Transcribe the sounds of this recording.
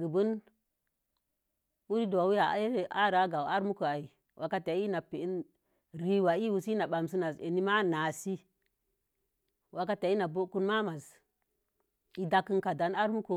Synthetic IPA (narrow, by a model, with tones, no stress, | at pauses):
ɡə˨bu˦n | u˦ɾi˦do˨a˨wu˦ja˨a̰˦e˦ɾe˨ʔa˦ɾa˦ɡa˨wa˦ɾmu˦ko˨a˨i˨ | wʔa˨ka˦ta˨˦i˦na˨pe˨i˦n | ɾi˦wa˨i˦wu˨si˦na˨ɓa˨ms̬i˦na˨se˨ni˦ma˦na˨si˦ | wʔa˨ka˦te˨˦i˦na˨bo˦ku˦nma˦ma˨s | i˨da˦kːi˦nka˨da˨na˦ɾmu˦ko˨